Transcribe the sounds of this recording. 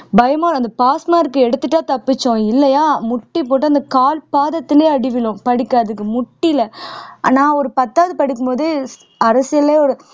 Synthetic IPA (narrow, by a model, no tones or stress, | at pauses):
bɐjɐmaːɐnd̪ɐpaːsmaːɾɯkːɯɛɽɯt̪ːɯʈːaːt̪ɐpːɯt͡ʃːõɪlːɐjaːmʊʈːipoːʈ̬ːɐɐnd̪ɐkaːlpaːðɐt̪ːɪleːɐɽɪʋɪɭʊ̃pɐɽɪkːaːðɯkːɯmʊʈːɪlɐa̰ːnaːɔɾɯpɐt̪ːaːʋɐðɯpɐɽɪkːɯmpoːðɯ | ɐɾɐsɪjɐleːɔɾɯ